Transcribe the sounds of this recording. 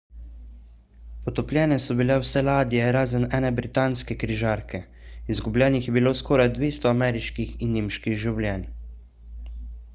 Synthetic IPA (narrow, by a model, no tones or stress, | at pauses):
pɔt̪ɔplʲjɛːnɛsɔbilɛwsɛlaːd̪ijɛɾaːzənɛːnɛbɾit̪aːnskɛkɾiʒaːɾkʰɛ | izɡublʲjɛːnixjɛbiloːskɔːɾajd̪ʋeːst̪ɔamɛːɾiʃkixinːiːmʃkiɣʒiwlʲjɛːn